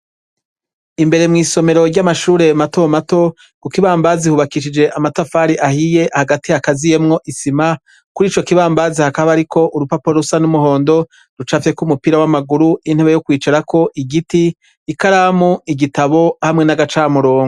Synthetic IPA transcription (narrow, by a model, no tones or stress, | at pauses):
imbe̞ɾe̞mŋiːso̞me̞ɾo̞ɾɟamaʃuːɾe̞mato̞mato̞ | kukiβaːmbazihuβakiʃ̬id͡ʒe̞ʔamatafaːɾiʔahije̞ʔhaɡatihakazije̞mŋo̞ʔisima | kuɾiːt͡ʃo̞kiβaːmbazihakaβaɾikʰo̞ʔuɾupapoɾusanumuɦo̞ːndo̞ | ɾut͡ʃafje̞kumupiɾawamaɡuɾuin̥heβejokwiːt͡ʃaɾakʰo̞ʔiɡitiː | kaɾaːmuiɡitaβo̞hamŋe̞naɡat͡ʃaːmuɾoːŋɡo